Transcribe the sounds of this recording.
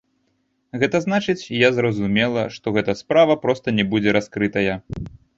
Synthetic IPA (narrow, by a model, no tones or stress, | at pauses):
ɣɛt̪ɐznat͡ʂɨt͡sʲjazrɐzumʲɛlˠɐʂt̪ɔɣɛt̪ɐspɾavɐpɾɔst̪ɐnʲɛbud͡zʲɛɾaskɾɨt̪ɐjɐ